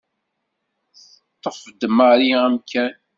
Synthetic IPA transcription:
θ | ət̪ˤːəfəd̪əmaɾiæmkʰæn

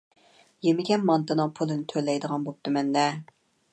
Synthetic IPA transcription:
jemɪɡʲɛnmɑnt̪ɨnɨŋpʰulˠɨnɪt̪ʰølːɛjd̪əʁɑnbop̚t̪ɨmɛnd̪ɛ

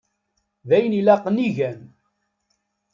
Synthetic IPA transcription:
ðæjənilæqəniʝæn

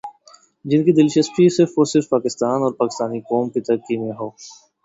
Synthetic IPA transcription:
d͡ʒɪnkid̪ɪlʃəst̪isɪɾfʋosɪɾfpaːkɪst̪aːnɔːɾpaːkɪst̪aːnikɔːmkit̪əɾəkːimẽɦoː

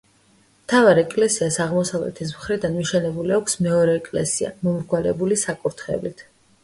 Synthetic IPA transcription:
mt̪ʰavaɾɛkʼlɛsiasaʁmɔsavlɛ̰t̪ʰɛs̬mχɾid̪anmiʃɛnɛbuliakʷʰsmɛɔɾɛːkʼlɛ̰sia̰mɔmɾɡwalɛ̰bulisakʼuɾt̪ʰχɛ̰vlit̪ʰ

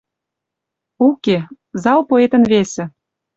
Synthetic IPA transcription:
uke | zɑlpoet̪ə̆nβesĕ

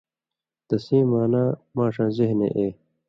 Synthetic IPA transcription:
d̪̥ɐsĩːmaːnaːmãːʂãːzeɦnḛʔeː

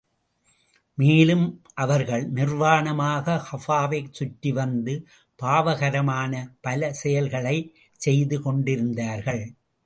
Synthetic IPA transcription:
meːlɯmʔɐʋɐɾɣɐɭnɪrʋaːɳɐmaːɣɐxɐfaːʋɐɪt͡ʃʊʈːiʋɐnd̪ɯ | paːʋɐɣɐɾɐmaːnɐpɐlɐsɛjɐlɣɐɭɐɪ | t͡ʃɛjðɯkɔɳɖɪɾɯnd̪aːɾɣɐɭ

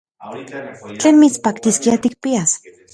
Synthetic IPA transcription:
t͡ɬeːnmit͡spaːkt̪iskiat̪ik̚pias

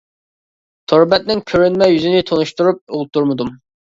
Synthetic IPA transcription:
t̪ʰoɾbɛt̪̚nɪŋkʲʰøɾynmɛjyzɪnɪt̪ʰonuʃt̪uɾup̚ulˠt̪ʰːuɾmɨd̪um

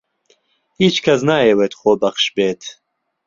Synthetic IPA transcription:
hiːt͡ʃkʰɐs̬naːjewet̪χoːbɐχʃbeːt̪ʰ

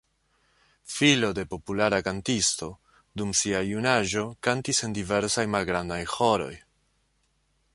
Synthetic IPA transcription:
filo̞de̞po̞pulaɾakantisto̞ | dumsiajunaʒo̞kantise̞ndive̞ɾsajmalɡɾandajho̞ɾo̞j

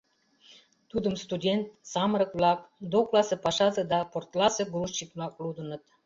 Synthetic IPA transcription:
t̪ud̪əmst̪ud̪ʲent̪̚sɑməɾə̆kvlɑk̚d̪oklɑsə̆pɑʃɑzə̆d̪ɑport̪lɑsə̆ɡɾuʃt͡ɕit̪mɑklud̪ənə̆t̪

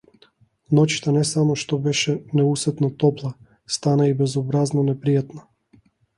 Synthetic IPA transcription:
nɔt͡ʃi̥t̪anɛsamɔʃt̪ɔbɛʃɛnɛusɛt̪nat̪ɔplˠa | st̪anaibɛzɔbɾaznɔnɛpɾijat̪na

